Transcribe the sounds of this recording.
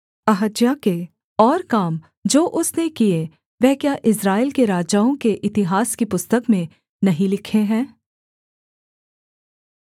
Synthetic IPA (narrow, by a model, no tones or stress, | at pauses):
ɐɦəd͡ʒjake | ɔːɾkaːm | d͡ʒoːʔʊsnekie | ʋɛɦkjaʔɪsɾaːɪlkeɾaːd͡ʒaõkeʔɪt̪ɪɦaːskipʊst̪əkmẽ | nɐɦĩlɪkʰeɦɛ̃ː